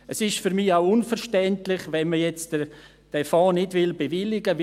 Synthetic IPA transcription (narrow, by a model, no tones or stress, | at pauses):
əsɪʃfyɾmiːaʊʊnfəɾʃtɛntlɪχʋɛnməjɛt͡s | d̥ɛfaːnɪdʋɪlbevɪlɪɡəʋ